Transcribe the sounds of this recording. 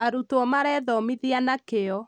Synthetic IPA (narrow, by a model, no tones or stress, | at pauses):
aɾutoɔmaɾɛðɔmiðianakeɔ